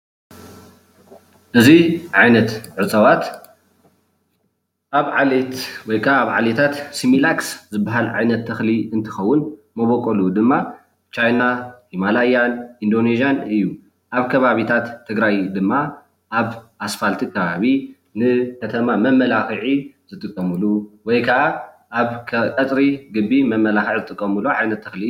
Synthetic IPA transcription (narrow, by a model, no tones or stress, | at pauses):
ʔɨziʕajnɐt̪ʕɨt͡sʼɐwat̪ | ʔaβʕalet̪wɔjkʰaːβʕa̰let̪ʰat̪similakszɨbaɦalʕajnɐt̪ʰːɐxliɨnt̪ʰɨ̥xɐwːʊnmɐβokʼolud̪ɨmːa | t͡ʃajnaimalajanʔind̪o̞nezijanɨjːu | ʔaβkʰɐβaβit̪ʰat̪ʰːɨɡɾajd̪ɨmːa | ʔaβʔasfalt̪ʰikʰɐβaβi | nɨkʰɐt̪ʰɐmamɐmːɐlaxɨʕizɨt̪ʼɨkʼːɐmɨluwɔjkʰɐʔa | ʔːβkʼɐt̪ʼɾiɡɨbːimɐmːɐlaxɨʕzɨt̪ʼɨkʼːɐmɨloʕajnɐt̪ʰːɐxli